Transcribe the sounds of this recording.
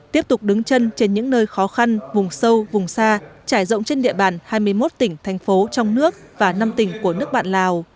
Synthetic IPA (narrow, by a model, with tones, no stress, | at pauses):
t̪i˦˥əp̚t̪ʊ˨˩k͡p̚ɗɨ˨˦ŋt͡ɕə˧nt͡ɕe˧nɲɨ̰˧˥ŋnəː˧jxɔ˨˦xa˧nvʊ˨˩ŋ͡msə˧wvʊ˨˩ŋ͡msaː˧t͡ɕaː˧˩jzə̰˧˨wŋ͡mt͡ɕe˧nɗḭ˧˨əɓaː˧˩nhaː˧jmɨ˧əjmo˦˥t̚t̪ï˧˩ŋ̟t̪ʰɛ˨˩jŋ̟fo˨˦t͡ɕɔ˧wŋ͡mnɨ˦˥ək̚vaː˨˩na˧mt̪ï˧˩ŋ̟ku˧˩ənɨ˦˥ək̚ɓa̰ː˧˨nlaː˨˩w